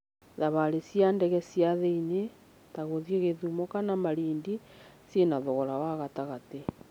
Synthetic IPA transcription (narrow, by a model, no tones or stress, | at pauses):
ðaβaɾesjandɛɣɛsiaðeine | taɣoðjeɣeðumokanamaɾiːndi | sjenaðoɣɔɾawaɣataɣate